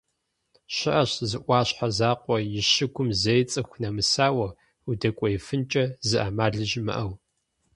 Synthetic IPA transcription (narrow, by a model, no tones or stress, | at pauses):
ɕɪʔɐɕzɨʔʷɑːɕħazaːqʷʼɔjɪʃɨɡʷʊmzɐjt͡sʼɨxʷnɐmɨsaːwɐ | udɐkʷʼɔjɪfɨnt͡ʃʼɐzɨʔɐmaːɮɨʒmɨ̰ʔɐw